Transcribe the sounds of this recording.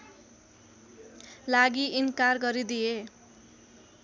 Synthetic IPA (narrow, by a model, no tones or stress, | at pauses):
laɡiʔinkarɡʌɾid̪ije